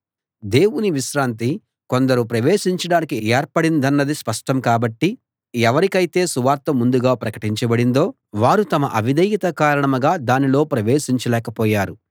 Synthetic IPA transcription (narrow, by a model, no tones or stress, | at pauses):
d̪e̞ːwuniʋiʃɾaːnt̪̬i | ko̞nd̪ɐɾupɾɐʋeːʃiɲt͡ʃɐɽaːnikieːɾpɐɽind̪ɐnːɐd̪ispɐʂʈɐmkaːbɐʈːi | ɛʋɐɾikɐjit̪e̞ːsuʋaːɾt̪ːɐmund̪uɡaːpɾɐkɐ̥ʈiɲt͡ʃɐbɐɽind̪o̞ː | ʋaːɾut̪ɐmɐʔɐʋid̪ɐjit̪ɐkaːɾɐɳɐmɐɡaːd̪aːnilo̞ːpɾɐʋe̞ːʃiɲt͡ʃɐlɛːkɐpɔːjaːɾu